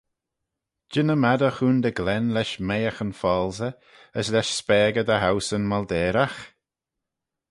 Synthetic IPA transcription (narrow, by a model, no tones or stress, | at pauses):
d͡ʒɪnəmad̪əxuːnd̪əɡlɛnlɛʃmejəxənfɔːlzə | əslɛʃspɛːɡəd̪əɦawsənmald̪ɛːɾax